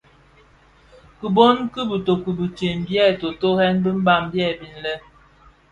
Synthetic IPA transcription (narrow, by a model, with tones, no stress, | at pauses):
kə˨bo˦nki˦bə˨to˨ku˨bi˨t͡ʃe˨m˨bjɛ˦˨to˨to˦hɛ˦nbi˦m̩˦ba˦˨m˦bjɛ˦˨bi˨n˦lɛ˦